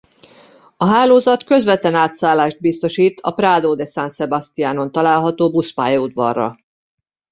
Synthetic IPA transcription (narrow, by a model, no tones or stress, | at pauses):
ɒɦaːloːzɒt̪kø̞zʋɛt̪ɛnaːt̪saːlːaːʒd̪̚bist̪o̞ʃiːt̪ʰɒpraːd̪oːd̪ɛsansɛbɒst̪ijaːno̞nt̪ɒlaːlɦɒt̪oːbuspa̰ːjɒud̪ʋɒ̰rːɒ̰